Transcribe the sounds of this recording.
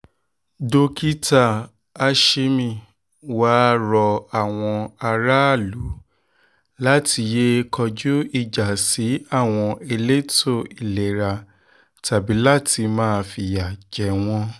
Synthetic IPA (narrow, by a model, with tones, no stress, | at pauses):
do˧ki˦ta˦˨ | a˧ʃe˧mĩ˨ | waː˦ɾɔ˧a˦˨w̃ɔ̃˧a˧ɾa˦a˦˨lu˨˦ | la˦tʰi˧je˦kʰɔ˧d͡ʒu˦i˦˨d͡ʒa˨si˨˦a˦˨w̃ɔ̃˧e˧le˦to˦˨i˨le˨ɾa˧ | ta˨bi˨˦la˦ti˧mãː˦˧fi˧˨ja˨d͡ʒɛ˨˦w̃ɔ̃˧˦